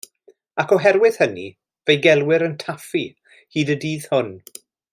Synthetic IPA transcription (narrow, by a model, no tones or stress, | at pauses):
akʰɔɦɛɾwɪð̥hənḭ | vejɡɛlˠwɪɾəntʰafi | hiːdədiːð̥hʊn